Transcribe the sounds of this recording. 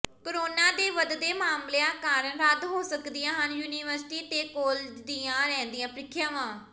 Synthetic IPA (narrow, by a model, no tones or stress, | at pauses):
kəɾoːnãːd̪eːʋəd̪d̪eːmaːmlejãːkaːɾənɾəd̪ɦoːsəkd̪ɪjãːɦənjuːniːʋəɾsʈiːt̪eːkɔːld͡ʒd̪iːãːɾɛ̃ːnd̪ɪjãːpɾɪkʰjãːʋãː